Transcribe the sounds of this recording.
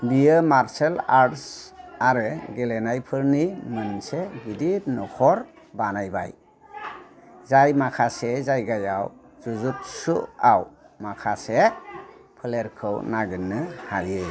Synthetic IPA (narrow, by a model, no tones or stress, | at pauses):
bijɯmaɾselaɾtsaɾɯɡelenajpʰɯɾnimɯnsebiditnɔkʰɔɾ | banajba̰j | zajmakʰasezajɡajaw | zuzut̚suʔawmakʰase | pʰɯleɾkʰɯwnaɡɯnːɯhajɯ